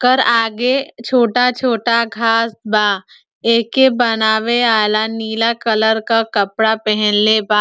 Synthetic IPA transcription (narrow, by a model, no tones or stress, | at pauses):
kəɾaːɡet͡ʃʰoːʈat͡ʃʰoːʈaɡʱaːsbaː | eːkebɐnaːʋeaːlaniːlakɐləɾkakɐpɽapɛɦɛ̃nlebaː